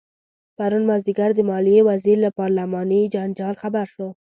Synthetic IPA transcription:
paɾunmazd̪iɡaɾd̪əmɑlijewaziɾlapɑɾlamɑnəd͡ʒand͡ʒɑlxabaɾʃo

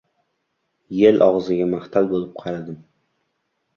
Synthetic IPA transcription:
jelʔɒʁzɪɡʲamaχt̪ʰalbolˠɪp̚qʰɑɾad̪ɪm

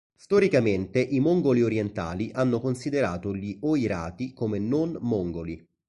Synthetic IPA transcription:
st̪ɔɾikament̪eʔimoŋɡolioɾjent̪a̰ːliʔanːokonsid̪eɾaːt̪oʎioiɾa̰ːt̪ikomenonmoŋɡolḭ

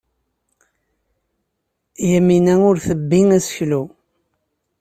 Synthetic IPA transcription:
jæminæʊɾθəbːiŋæsçlu

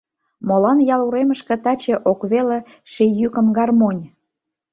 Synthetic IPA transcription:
molɑnjɑluɾeməʃkĕt̪ɑt͡ɕĕʔokβelĕ | ʃijykə̆mɡɑrmonʲ

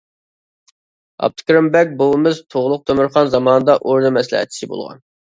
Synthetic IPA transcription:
ɑ̰p̚t̪ʰɨ̥kʲɾɨmbɛk̚ʲbolˠmɨzt̪ʰoʁlˠʊq̚t̪ʰømɨɾχɑnzɑmɑːnɨd̪ɑʔoɾnɨmɛslɪ̰hɛ̰t̪̚t͡ʃʰi̥sɪbo̰lˠʁɑ̰n

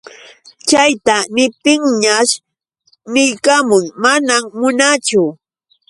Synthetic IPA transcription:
t͡ʃajt̪anɪp̚t̪ɪŋɲaʃ | nɪjkamʊŋmanammʊnat͡ʃʊ

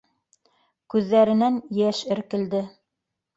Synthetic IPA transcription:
kʉðːæɾɘ̆nænjæʃɘ̆ɾkɘ̆ld̪ɘ

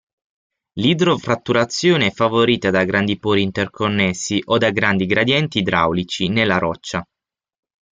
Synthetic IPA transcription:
lid̪ɾofɾat̪ːuɾat̪sːjoːneɛfːavoɾiːt̪ad̪aɡɾand̪ipoːɾiːnt̪erkʰonːɛsːiʔod̪aɡɾand̪iɡɾad̪jɛnt̪id̪ɾa̰wlit͡ʃinelːaɾɔt͡ʃːa

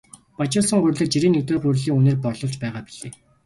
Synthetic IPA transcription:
pat͡ɕʊːsə̆ŋɢɵrʲɮɘ̆t͡ɕiɾeːnːek̚t̪eːχurɮiːŋuneːrpɔrɮɞ̆ɮt͡ɕpæːʁaːpi̥ɮeː

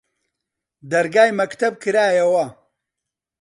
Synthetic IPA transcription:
d̪ɐɾɡaːjmɐkt̪ʰɐb̚kʰɨɾaːjɐwɐ

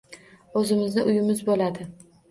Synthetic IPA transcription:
ɵzɪmɪznɪʔʊjɪmɪzbolad̪ɪ

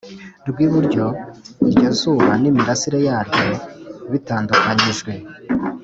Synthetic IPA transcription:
ɾɡwiːβuɾɟo̞iɾɟezuβanimiɾasiɾejaːɾɟo̞βitaːndukaɲiʒɡwe̞

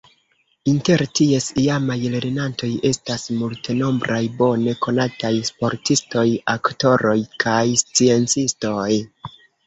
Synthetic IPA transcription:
inte̞ɾtie̞siamajle̞ɾenanto̞je̞stasmulte̞no̞mbɾʔajbo̞ne̞ko̞natajspo̞ɾtisto̞jakto̞ɾo̞jkʰajst͡sie̞nt͡sisto̞j

